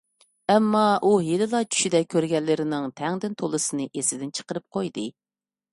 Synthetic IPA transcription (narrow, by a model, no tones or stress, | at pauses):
ɛmːɑʔujelɪlˠɑt͡ʃʰy̥ʃid̪ɛk̚ʲkʲʰːøɾɡʲɛlːɪɾɪnɪŋt̪ʰɛŋd̪ɪnt̪ʰolˠɨsɨnɨʔesɪd̪ɪnt͡ʃʰə̥qəɾɨp̚qʰojd̪ɨ